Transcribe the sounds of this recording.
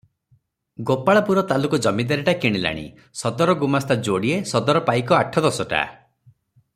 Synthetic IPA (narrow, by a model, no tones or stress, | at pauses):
ɡopaɭapuɾɔt̪alukɔd͡ʒɔmid̪aɾiʈakiɽ̃ila̰ɽ̃ḭ | sɔd̪ɔɾɔɡumast̪ʰad͡ʒoɽiesɔd̪ɔɾɔpajkɔaʈʰɔd̪ɔsɔʈa̰